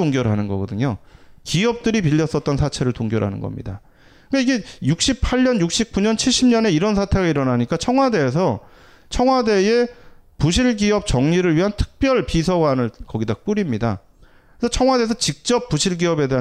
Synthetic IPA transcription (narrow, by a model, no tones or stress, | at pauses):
oŋɡjʌɾɦanɯnɡʌ̰ɡʌdɯɲokiʌp̚t͈ɯɾipiʎːʌs͈ʌt̚t͈ʌnsʰat͡ɕʰe̞ɾɯɭtoŋɡjʌɾɦa̰nɯ̰nɡʌ̰mɲḭda̰ | ɯkaiɡe̞juk̚ɕ͈ipʰaɭɲʌnjuk̚ɕ͈ip̚k͈uɲʌnt͡ɕʰiɭɕ͈ʰimɲʌne̞iɾʌns̬ʰatʰe̞ɡaiɾʌnaɲik͈at͡ɕʰʌŋɦwade̞ːs̬ʰʌ | t͡ɕʰʌŋɦwade̞e̞puɕ̬ʰiɭɡiʌp̚t͡ɕʌŋɲiɾɯɭɥiɦantʰɯ̥k̚p͈jʌɭpisʰʌɡanɯɭkʌɡidak͈uɾimɲida̰ | esʰʌt͡ɕʰʌŋwade̞es̬ʰʌt͡ɕik̚t͡ɕ͈ʌp͈̚ːuɕʰiɭɡiʌbe̞de̞ɦa